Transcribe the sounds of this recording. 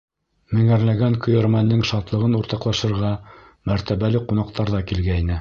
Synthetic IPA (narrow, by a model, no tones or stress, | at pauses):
mɘ̆ŋæɾlæɡæŋkɵ̆jæ̆ɾmænːɘŋʃɑt̪lˠɤ̆ʁɤnuɾt̪ɑqlˠɑʃɤ̆ɾʁɑ | mæɾt̪æβælɘqunɑq̚t̪ɑɾðɑkilɡæinɘ